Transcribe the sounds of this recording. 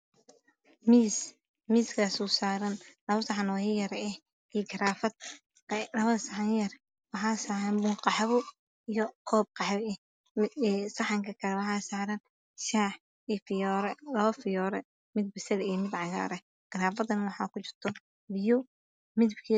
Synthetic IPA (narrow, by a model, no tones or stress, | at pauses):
mis | miːskʰaːsusaːɾɐnlɐβɐsɐħɑnɔjɐjɐɾɛh | ijɡɐɾaːfɐd̪̚ | lɐβɐðɐsɐħɑnjɐr | wɑħɑːsaːɾɐnbʊqɑħβʊ | ijɔqʰɔːb̚qɑħβɛ | sɑħɑŋkʰɐkʰɐlɛwɑħɑːsaːɾɐn | ʃaːħ | iːfɪjɔːɾɛlɔːfɪjɔːɾɛ | mɪd̪̚bɪsɐlijɞmɪd̪ʕɑɣa̰ːɾɛ | ɡ̥ɐɾaːfɐd̪ɐnwɑħɑ̰kʊt͡ʃɪrt̪ʰɔ | bɪjʊ | mɪd̪bkʰi